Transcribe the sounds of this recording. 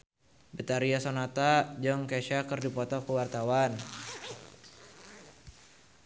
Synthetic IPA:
bət̪aɾiasonat̪ad͡ʒɔŋkɛʃakərdipɔt̪ɔkəwart̪awan

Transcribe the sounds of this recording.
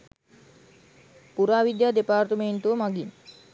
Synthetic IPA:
puɾaːʋid̪jaːd̪epaːrt̪əmeɳʈuəmaɡin

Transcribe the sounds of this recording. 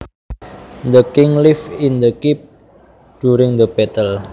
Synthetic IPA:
d̪əkɪŋlifɪnd̪əkip̚ | d̥uɾɪŋd̪əbɛt̪əl

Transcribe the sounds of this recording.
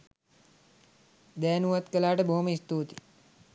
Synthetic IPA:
d̪ɛːnuɐt̪kəlaːʈebʱoːmist̪uɦt̪i̥

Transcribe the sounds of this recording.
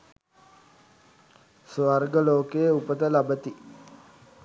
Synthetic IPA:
sʋarɡəloːkejəupət̪əlabət̪i

